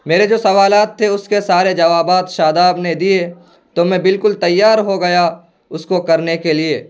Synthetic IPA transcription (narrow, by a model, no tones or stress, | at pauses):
meːɾed͡ʒoːsɐʋaːlaːt̪ʰːeʊskesaːɾed͡ʒɐʋaːbaːt̪ʃaːd̪aːbned̪ie | t̪omɛ̃bɪlkʊlt̪ɐjːaːɾɦoɡɐja | ʊskokɐɾnekelieː